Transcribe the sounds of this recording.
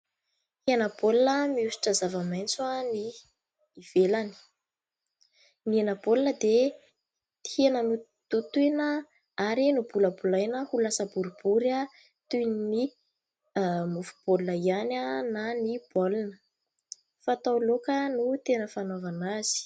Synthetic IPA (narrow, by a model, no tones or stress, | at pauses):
henəbolinəmiusi̥ʈ͡ʂəzavəmajnt͡suaniː | v̥elani̥ | nienəbolinəd̪e | t̪i̥henənu | t̪ut̪unə | aɾinubuləbulajnəhulasəbuɾubuɾa | t̪unini | mufu̥b̥olunəianənanib̥olinə | fat̪awlokənut̪enəfanovanaz̥i̥